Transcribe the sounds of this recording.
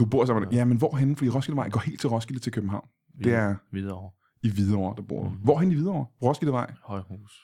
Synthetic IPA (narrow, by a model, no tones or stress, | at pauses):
d̥ub̥o̝ɐ̰sɑmjæmenʋɒːɦenfd̥ḭːʁɒ̽sɡ̥id̥ʋɑ̈ɪ̰ɡ̥ɒ̰ːhe̝̰ːld̥̚t͡sʰe̝lʁɒ̽sɡ̥id̥̩t͡sʰe̝lkʰøbm̩ɦɑ̈ʊ̰n | dd̥e̝æɐ | iʋiðˠɐɒ̰ɐd̥ɑ̈b̥o̝ɐ̰d̥uʋɒ̰ːɦen̥iʋið̞ˠɒ̰ɐʁɒ̽sɡ̥id̥eʋɑ̈ɪ̰hus